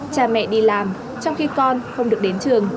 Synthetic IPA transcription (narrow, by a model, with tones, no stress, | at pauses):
t͡ɕaː˧˩mɛ̰˧˨ɗi˧laː˨˩m | t͡ɕɔ˧wŋ͡mxi˧kɔ˧nxə˧wŋ͡mɗɨ˨˩ək̚ɗe˨˦nt͡ɕɨ˨˩əŋ